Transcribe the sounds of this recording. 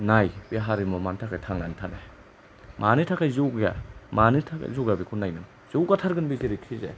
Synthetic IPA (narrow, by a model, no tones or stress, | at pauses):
najbiɦaɾimɔmantʰakʰajtʰaŋnanitʰane | manitʰakʰajzuwɡja̰manitʰakzuwɡjabikʰunajnɯŋ | z̥uwɡatʰaɾɡɯnbiziɾikʰizḛ